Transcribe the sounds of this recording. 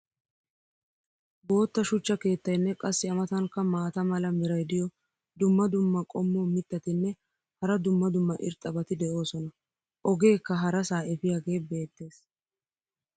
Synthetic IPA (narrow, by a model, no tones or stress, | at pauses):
bo̞ːt̪ːɐʃʊt͡ʃːɐke̞ːt̪ːɐjnːɛkʼɐsːɪɐmɐt̪ɐŋkːɐmaːt̪ɐmɐlɐmɪɾɐjd̪ɪjɔ | d̪ʊmːɐd̪ʊmːɐkʼɔmːoːmɪt̪ːɐt̪ɪnːɛ | hɐɾɐd̪ʊmːɐd̪ʊmːɐʔɪ̰ɾt̪ʼːɐbɐt̪ɪd̪ɛo̞ːsɔnɐ | ʔɔɡe̞ːkːɐɦɐɾɐsaːɛfɪjaːɡe̞ːbe̞ːt̪ːe̞ːs